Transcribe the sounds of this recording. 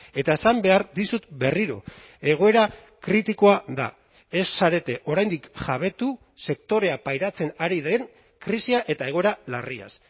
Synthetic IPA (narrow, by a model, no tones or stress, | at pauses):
e̞t̪ae̞sambe̞aɾðisut̪be̞riɾo̞̰ | e̞ɣ̞o̞e̞ɾa | kɾit̪iko̞aða̰ | e̞sːaɾe̞t̪e̞ʔo̞ɾajnd̪ikʝaβ̞e̞t̪u | se̞kt̪o̞ɾe̞apajɾat͡se̞naɾiðe̞ŋ | kɾisiaʔe̞t̪ae̞ɣo̞e̞ɾalaria̰s